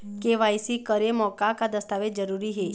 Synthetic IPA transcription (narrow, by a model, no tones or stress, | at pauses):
keʋajsikəɾemɔːkakad̪əst̪aʋed͡ʒəɾuːɾiɦe